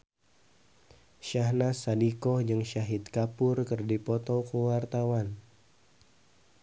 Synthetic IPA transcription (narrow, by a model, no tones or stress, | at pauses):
ʃahnasadikɔhd͡ʒɨŋʃaɦit̪̚kapʊrkərdipɔt̪ɔkəwart̪awan